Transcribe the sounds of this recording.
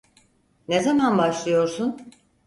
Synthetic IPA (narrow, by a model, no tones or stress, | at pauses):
nezamanbaʃlˠɯjo̞ɾsun